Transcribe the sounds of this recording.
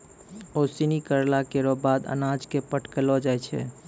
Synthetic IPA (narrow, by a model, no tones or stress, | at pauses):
osinikəɾlakeɾɔbad̪ə̰nad͡ʒkepəʈʰkəlɔd͡ʒajt͡ʃʰɛ̰